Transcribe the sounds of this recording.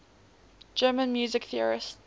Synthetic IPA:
d͡ʒɜːmə̃nmjuːzɪkθiəɹɪ̰st

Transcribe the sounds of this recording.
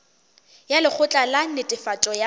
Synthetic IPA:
jalɪk͡xʰʊt͡ɬʼalanɪtʼɪfatʼɔja

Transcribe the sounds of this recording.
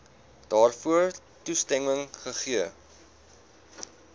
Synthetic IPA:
d̥ɑːrfuər | tustɛŋəŋχəχiə

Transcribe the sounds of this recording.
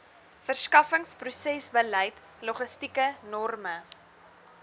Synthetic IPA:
fərskɐfəŋsprusɛsbələjt | loχəstikənɔrmə

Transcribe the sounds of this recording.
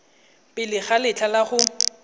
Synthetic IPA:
pʼɪlɪχalɪt͡ɬʰalaχʊ

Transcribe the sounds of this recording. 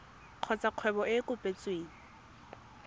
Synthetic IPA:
q͡χʰɔt͡sʼaq͡χʰwɛbɔʔɪkʼʊpʼet͡sʼweːŋi

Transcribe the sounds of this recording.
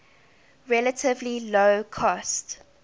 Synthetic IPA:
ɹɛlətʰɪvliloʊkʰɔst

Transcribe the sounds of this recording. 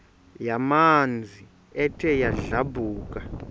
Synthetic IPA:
jamand͡zʱi | ɛtʰɛjaɮabʱuːkʼa

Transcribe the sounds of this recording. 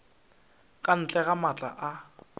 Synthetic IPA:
kʼan̩t͡ɬʼɛɣamat͡ɬʼa̰ʔa

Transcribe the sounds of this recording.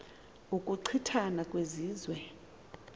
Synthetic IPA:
ukʼuǀʰitʰanakʼweziːzwɛ

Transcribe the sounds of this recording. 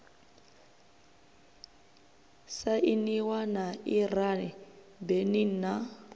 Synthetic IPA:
saʔiniwanairanɛ | benina

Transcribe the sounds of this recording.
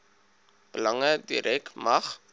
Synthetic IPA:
b̥əlɐŋədḭɾʔɛkmɐχ

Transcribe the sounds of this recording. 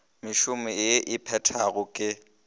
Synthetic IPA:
mɪʃʊmɪɪʔɪpʰɛtʰaɣʊkʼɪ

